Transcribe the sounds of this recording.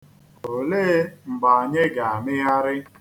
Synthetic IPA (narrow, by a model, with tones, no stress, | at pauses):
o˨le˦ŋ͡m̩˨ɡ͡ba˨a˨ɲe˦ɡa˨a˨mɪ˦ɣa˦ɾɪ˦